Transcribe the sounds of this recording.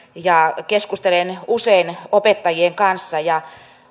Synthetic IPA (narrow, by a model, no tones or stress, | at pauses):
jɑkeskust̪elenuseinopet̪ːɑjieŋkɑnsːɑjɑ